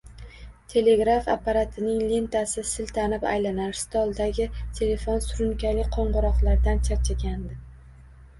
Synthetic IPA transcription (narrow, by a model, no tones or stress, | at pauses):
t̪ʰe̞le̞ɡɾafa̰pːaɾat̪ʰɪnɪŋle̞nt̪ʰasɪsɪlt̪ʰanɪpa̰jlanaɾst̪ɒlˠd̪aɡʲɪt̪ʰe̞le̞fonsʊɾʊnkʲalɪqʰɒɴʁʊɾɒqlˠaɾd̪ant͡ʃʰaɾt͡ʃʰakʲand̪ɪ